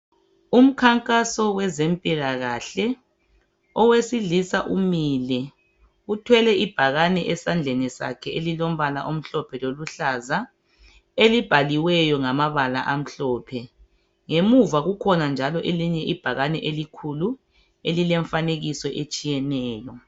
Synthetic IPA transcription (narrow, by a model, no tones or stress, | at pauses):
um̩kʰaŋkʼasɔwɛzempʼilaɣaːɬɛ | ɔwesiɮisaʔumilɛ | utʰwɛlɛib̥ʱaɣanɛʔɛsand͡ɮʱenisa̰kʰɛelilom̩βala̰ʔom̩ɬɔpʰɛloluɬaza | elib̥ʱaliwɛjɔŋamaβala̰ʔam̩ɬɔːpʰɛ | ŋemuvaɣukʰɔnand͡ʒʱalɔʔeliɲɛʔib̥ʱaɣanɛʔelikʰulu | elilɛɱfaneɣisɔʔet͡ʃʼijɛnɛːjɔ